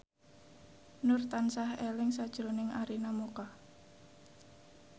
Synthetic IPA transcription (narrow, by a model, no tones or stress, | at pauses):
nʊrt̪ansahelɪŋsad̥ʒ̥ɾonɪŋʔaɾinamukah